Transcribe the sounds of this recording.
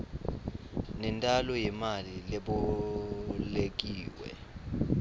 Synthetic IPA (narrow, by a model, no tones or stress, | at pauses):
nɛntʼalɔjimalileɓu | lek̬ʼiːwɛ̰